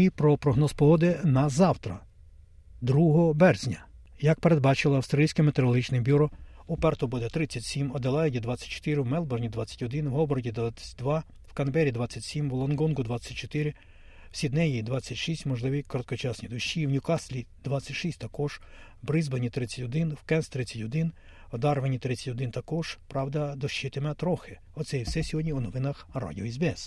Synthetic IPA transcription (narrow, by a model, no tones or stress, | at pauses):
ipɾɔpɾɔɦnɔspɔɦɔd̪ɪnɐzɑwt̪ɾɐ̰ | d̪ɾuɦɔbɛrzʲnʲɐ | jɐk̚peɾe̞d̪̚bɑt͡ʃɪlˠɔɐwst̪ɾɐisʲkemet̪eɾɔlˠɦit͡ʃnɪbʲuɾɔ | upɛrt̪ɔbud̪ɛt̪ɾɪt͡sʲːɐtʲsʲimɔd̪elˠɑjɪdʲid̪ʋɑt͡sʲːɐ̥t̚ʲt͡ʃɔ̥t̪ɪɾɪwmɛlˠbɔrnʲid̪ʋɑt͡sʲːɐ̥tʲɔd̪ɪnwɦɔbɔɾɔdʲid̪ʋat͡sʲɐ̥t̚ʲd̪ʋɑ | wkɐnbɛɾʲid̪ʋɑt͡sʲːɐtʲsʲimwlˠɔnɡɔnɡʊd̪ʋɑt͡sʲːɐt̚ʲt͡ʃɔ̥t̪ɪɾɪ | wsʲid̪nɛjid̪ʋɑt͡sʲːɐtʲʃisʲtʲmɔʒlˠɪʋʲikɔɾɔt̪̚kɔt͡ʃɑsnʲid̪ʊʃːiwnʲʊkɑslʲid̪ʋɑt͡sʲːɐtʲʃisʲt̚ʲt̪ɐkɔʒ̥ | bɾɪzbɔnʲit̪ɾɪt͡sʲːɐtʲɔd̪ɪnwkɛnst̪ɾɪt͡sʲːɐtʲɔd̪ɪn | ɔd̪ɑrʋenʲit̪ɾɪt͡sʲɐ̥tʲɔd̪ɪnt̪ɐkɔʒ̥pɾɑwd̪ɐd̪ɔʃt͡ʃːɪt̪emɛt̪ɾɔxɪ | ɔt̪sɛjiwsɛsʲɔɦɔdʲnʲiunɔʋɪnɐxra̰dʲiɔizbeɛs